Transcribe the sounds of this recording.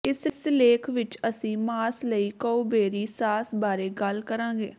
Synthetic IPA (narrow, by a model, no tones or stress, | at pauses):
ɪsɪsleːkʰʋɪt͡ʃəsĩːmaːsləiːkəubeːɾiːsaːsbaːɾeːɡəlkəɾãːɡḛː